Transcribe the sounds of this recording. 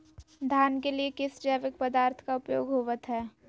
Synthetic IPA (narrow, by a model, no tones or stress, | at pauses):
d̪ʱjaːnkeliekɪsd͡ʒaːʋɪk̚pəd̪aːɾt̪ʰkaʊpjoːɡɦoːʋət̪ɦɛː